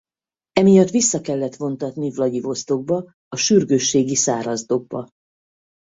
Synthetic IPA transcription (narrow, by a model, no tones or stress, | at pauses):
ɛmijɒt̪ʋisːɒkɛlːɛt̪fo̞nt̪ɒt̪nivlɒɟivo̞st̪o̞ɡ̚bɒ | ɒʃyrɡøʃːeːɡisaːɾɒzd̪o̞ɡ̚bɒ̰